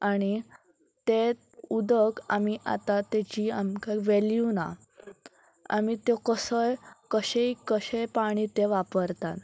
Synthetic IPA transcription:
aɽ̃i | t̪e | ud̪əkamiʔa̰t̪at̪et͡ɕiamkaʋeljuna̰ | a̰mit̪ɔkəsəjkəɕeikəɕejpaɽ̃it̪eʋapəɾt̪at̪

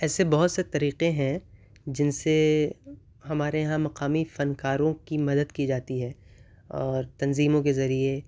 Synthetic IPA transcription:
ɛːsebɐɦʊt̪set̪ɐɾiːqẽɦɛ̃ | d͡ʒɪnse | ɦɐmaːɾeɦãmɐqaːmifɐnkaːɾõkimɐd̪əd̪kid͡ʒaːt̪iɦɛː | ɔːɾt̪ɐnziːmõkezɐɾie

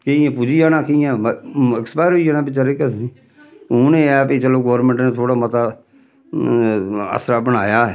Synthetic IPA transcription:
kɪiɛ̃ːpuːd͡ʒijaːnãːkɪɛ̃ːɪkspaːɪɾɦoijaːnãːbɪt͡ʃəɾekətniː | oːnẽːɛːpit͡ʃəloːɡoːɾmə̃ɳʈneːt̪ʰoːɽaːmət̪aː | ə̰sɾaːbəñaːjaːɛː

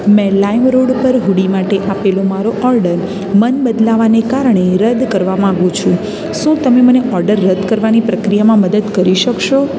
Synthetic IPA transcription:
mɛ̃laimɾoɽpəɾɦuɽimaʈeʔapelomaɾoʔɔɾɖəɾ | mənbəd̪laʋanekaɾɳeɾəd̪kəɾʋamãːɡũt͡ʃʰũ | ʃũt̪əmeməneʔɔɾɖəɾːəd̪kəɾʋanipɾəkɾijamãməd̪əd̪kəɾiʃəkʃo

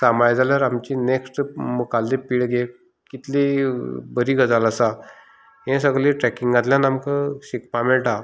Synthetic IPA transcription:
samajd͡zʱaljaɾamt͡ɕineksʈmukalːipiːɭɡe | kit̪libəɾiːɡəd͡zalasa | ɦẽsəɡɭlĩʈɾɛkiŋɡãt̪ljãnamkəɕikpameɭʈa

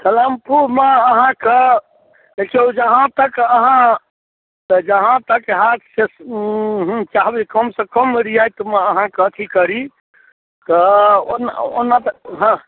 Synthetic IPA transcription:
səlampuɾmeːɦãke | lekiod͡ʒəɦãt̪əkəɦã | d͡ʒəɦãt̪əkeɦat̪se | ɦt͡ʃaɦbikəmsə̃kəmɾijajt̪məəɦãkət̪ʰikəɾi | t̪ɔo̰no̰nat̪əɦə̃

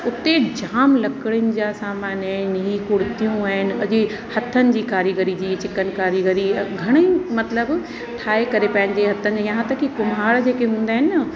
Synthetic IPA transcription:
ʊt̪ed͡ʑaːmlɐkɪɽɪʊnɪ̆d͡ʑasaːmaːnaːnɦikʊɽɪt̪ijũaːɦɪnɪ̆ɐd͡ʑɪ | hɐt̪ʰənɪ̆d͡ʑiːkaːɾiɡəɾid͡ʑiːt͡ɕɪkənɪ̆kaːɾiɡəɾiɡʱɐɽ̃əimɐt̪ləb | ʈʰaːekɐɾepɐ̃ɦɪ̃nd͡ʑeɦɐt̪ʰənɪ̆d͡ʑejɐɦãt̪əkʰikʊmaːɽd͡ʑeːkeɦũːn̆d̪aːɦɪnɪnɐ

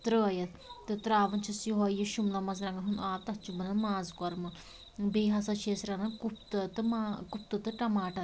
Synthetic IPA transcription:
t̪ɾəːɐjɐt̪ | t̪ɨt̪ɾaːʋɐnt͡ʃʰɐsjiɦojiʃumlɐmɐz̬ɾaŋɡɐɦunaːt̪ɐtt͡ʃubɐnɐmaːzkɔɾmɐ | beːɦasɐt͡ʃʰeːsɾɐnɐkup̚t̪ɨt̪ɨmakup̚t̪ɨt̪ɨʈɐmaːʈɐ

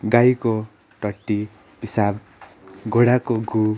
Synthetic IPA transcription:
ɡajko | ʈʌʈːi | pisab̚ | ɡoɽakoɡʱu

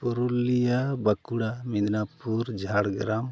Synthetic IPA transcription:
puɾulijabakuɽamid̪napuɾd͡ʒʱaɽɡɾam

